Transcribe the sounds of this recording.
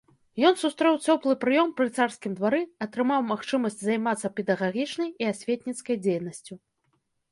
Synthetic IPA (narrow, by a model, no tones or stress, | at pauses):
jɔnsust̪ɾɛwt͡sʲɔplˠɨpɾɨjɔmpɾɨt̪sarskʲimd̪vaɾɨɐt̪ɾɨmawmaxt͡ʂɨmɐsʲt͡sʲzajmat̪sɐpʲɛd̪ɐɣaɣʲit͡ʂnɐjiasʲvʲet̪̚ʲnʲit̪skɐjd͡zʲejnɐsʲt͡sʲu